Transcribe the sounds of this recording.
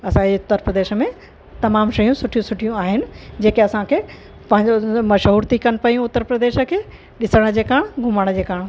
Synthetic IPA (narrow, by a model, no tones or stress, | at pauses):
ɐsãd͡ʑeʊt̪ːəɾpɾəd̪eːʃə̆mẽ | t̪ɐmaːmʃɐjũsʊʈʰijũsʊʈʰijũaːɦɪnɪ̆d͡ʑeːkeɐsãkʰe | pɐ̃ɦɪ̃ɲd͡ʑomɐʃɦuːɾt̪ʰikɐnɪ̆pɐjũʊt̪ːəɾpɾɐd̪eːʃə̆kʰeː | ɗɪsəɽ̃d͡ʑeːkaːɽ̃ɡʱʊməɽ̃d͡ʑeːkaːɽ̃